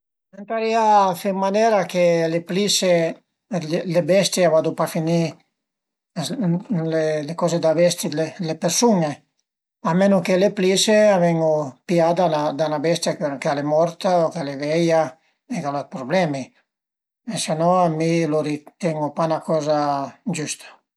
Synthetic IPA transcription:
ent̪aɾiafemanɛːɾakeleplise | llebɛst̪javad̪upafini | lelekɔːzed̪abɛst̪ielepeɾsune | amenokelepliseavɛŋopjad̪anad̪anabɛst̪jakkalemɔɾt̪aokalevɛja | ekalat̪pɾoblɛmi | esenɔamiloɾit̪ɛŋɡopanakɔːzad͡ʒust̪ʰḁ

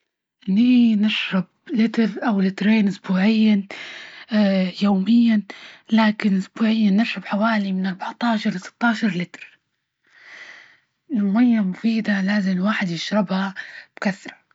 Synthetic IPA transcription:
ninɪʃɾˤɪb̚ | lɪt̪ɾʔawlɪt̪ɾeːnʔʊsbuːʕɪjːa | joːmɪjːalaːkɪnʔʊsbuːʕɪjːanːɪʃɾɑbħawaːlimɪnʔɑɾˤbaʕt̪ˤɑːʃɑɾˤlɪsɪ̥t̪ːɑːʃɑɾˤlɪt̪ɾ | lmʊmajːamʊfiːd̪alaːzɪmlwaːħɪd̪jɪʃɾˤɪbhab̥kaθːɾˤɑ̥

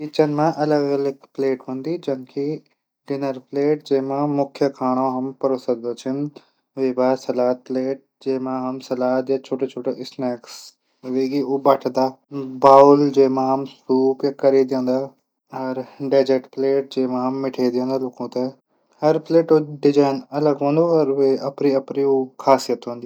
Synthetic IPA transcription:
it͡ɕənmãʔɐləɡɐləɡpleːʈɦõːnd̪id͡ʑɐ̃nkʰi | ɖɪnəɾpleːʈ̚d͡ʑẽːɦmãmʊkʰjəkʰaːɽ̃õɦɐmpɐɾoːsəd̪d̪ot͡ʃʰɪn | ʋeːbaːsɐlaːt̪̚pleːʈ̚d͡ʑeːmãɦɐmsɐlaːt̪jat͡ʃʰoːʈet͡ʃʰoːʈeʔɪsnɛːks | ʋekiubɐʈʰd̪aːbaːʊld͡ʒeːmãɦɐmskuːpɐkɐɾed̪jõːnd̪aː | ɐɾɖaːd͡ʒeʈpleːʈ̚d͡ʒeːmãɦɐmːɪʈʰed̪iõːnd̪aloːkõt̪ɐ | hɐɾpleːʈoɖɪd͡ʒaːɪnɐləɡɦõːnd̪oɐɾʋeɐpɾiɐpɾioːkʰaːsijət̪ɦõːnd̪i

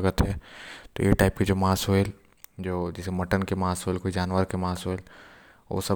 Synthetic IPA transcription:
ɡət̪ɦɛːt̪o̰jeʈaːɪpked͡ʒoːmaːsoel | d͡ʒoːd͡ʒɪsemɐʈənkemaːsɦoːelkoːid͡ʒaːnʋəɾkemaːsoːel | o̰ːsɐ

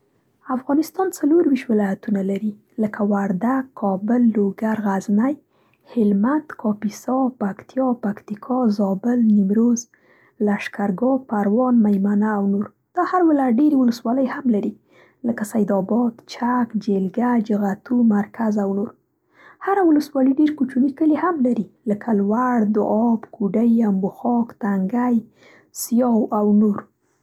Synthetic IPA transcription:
afɣɑnɪst̪ɑnt͡saloɾwiʃt̪wɪlɑjat̪unalaɾi | ləkawaɾd̪aɡkʰɑbəlːoɡaɾɣaznaj | hɪlmand̪kʰɑpisɑpakt̪ijɑpakt̪ikʰɑzɑbəlnɪmɾoz | laʃkaɾɡɑpaɾwɑnmajmanaːwnoɾ | d̪̥ɑhaɾwɪlaɖeɾewʊləswɑləjhamlaɾi | ləkasajd̪ɑbɑd̪t͡ʃakd͡ʒelɡad͡ʒɣat̪umaɾkazawnoɾ | haɾawʊləswɑləɖeɾkut͡ʃunikəlehamlaɾiləkʰalwaɽd̪ʊɑbkʰuɖəjambʊxɑkt̪aŋɡaj | sijɑwawnoɾ

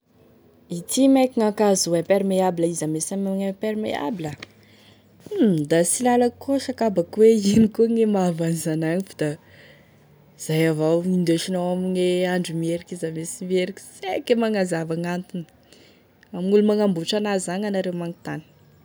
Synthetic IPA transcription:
it̪ʰimekiŋakazuepeɾimeabiləizamesamaɲapeɾimḛa̰bilə | d̪asilalakoʃakabakweinikuŋemavanizanaɲifu̥d̪̥a | iz̥ajavawind̪eʃinowamiŋeaɳɖ͡ʐumieɾikʲizamesimieɾikʲi̥sekemaŋazavaŋant̪uni̥ | amiŋulumaŋambuʈ͡ʂanazaŋanaɾewmaŋit̪ani̥

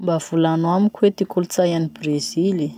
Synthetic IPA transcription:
mbav̥ulanwamikʲwet̪ikulut͡sajanibrezili

